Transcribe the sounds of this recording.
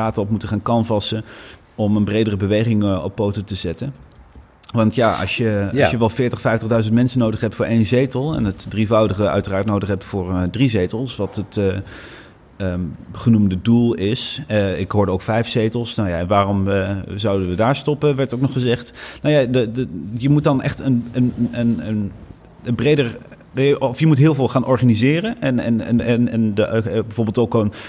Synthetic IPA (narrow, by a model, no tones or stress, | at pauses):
aːtəɔpmutəχaːnkɑnvɑsən | ɔmənbrejdərəbəʋejχɪŋɔ̰pːowtotəzɛtən | ʋɑntjaɑ̰ʃjəɑʃjəʋɛlˠfɪːɹtəχfɛjftəχdœɥzəntmɛnsənowdəχɦɛp̚tfʊːɹʔejnzejtəlˠɛ̰nətdrivɑwdəχəœ̰ɥtəraːɹtnowdəχɦɛptfʊːɹdrizejtəlˠsʋɑtət | əχənumdədulˠɪsəɪkɦʊːɹdəowkfɛjfsejtəlˠsnawjaɛnʋaːrɔmzɑwdənʋədaːɹstɔpənʋɛɹtowk̚nɔχəzɛχtnowjadjəmut̚dɑnɛ̰χtənənənən | ənbrejdəɹ | ɔfjəmutɦɪːlˠvɪːlˠχaːnʔɔɹχaːnizɪːrənɛnɛ̰nɛnɛnbɛjvoːɹbɪlˠtokon